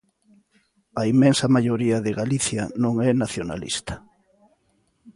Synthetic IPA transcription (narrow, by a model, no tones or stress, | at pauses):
ɐimɛ̃nsɐmaʎoɾiɐðɪɣaliθjɐnõŋɛnaθjona̰lḭst̪ɐ̥